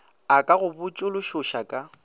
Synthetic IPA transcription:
akʼaɣʊbʊt͡ʃʼʊlʊʃʊʃakʼa

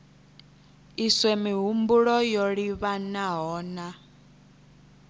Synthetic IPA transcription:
iswɛmiɦumbuɺɔjoɺiβanaɦɔːna

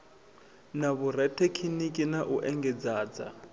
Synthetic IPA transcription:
naβuɾɛtʰekʰinikʼinaʔuʔɛŋɡɛd͡zaːd͡za̰

